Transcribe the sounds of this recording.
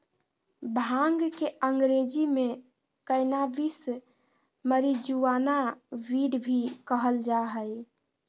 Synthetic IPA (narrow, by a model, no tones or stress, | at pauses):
bʱaŋɡkeʔəŋɡɾed͡ʒime | kəɪnabis | məɾid͡ʒuʋanaʋiɽbʱikəɦəld͡ʒaɦəj